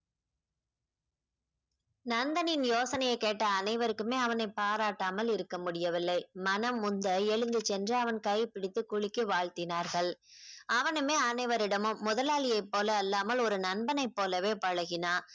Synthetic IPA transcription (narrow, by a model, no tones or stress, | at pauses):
nɐnd̪ɐnɪnjoːsɐnɐjɐɪkeːʈːɐːnɐɪʋɐɾɯkːɯmeːɐʋɐnɐɪpaːɾaːʈːaːmɐlɪɾɯkːɐmʊɽɪjɐʋɪlːɐɪmɐnɐmːʊnd̪ɐɛɻɯnd̪ɯt͡ʃɛndrɐɐʋɐnkɐɪpɪɽɪt̪ːɯkʊɻɪkːɯʋaːɭt̪ɪnaːɾɣɐɭʔɐʋɐnɯmeːɐnɐɪʋɐɾɪɽɐmɯmːʊðɐlaːɭɪjɐɪpːoːlɐːlːaːmɐlɔɾɯnɐnbɐnɐɪpːoːlɐʋeːpɐɻɐɣɪnaː